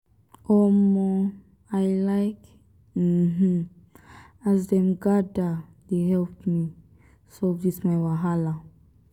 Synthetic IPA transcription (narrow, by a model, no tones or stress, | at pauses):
ɔmo | ajlajk̩ | m̥̩ | azdɛ̃mɡadadeɦɛlpmi | sodismajwaɦala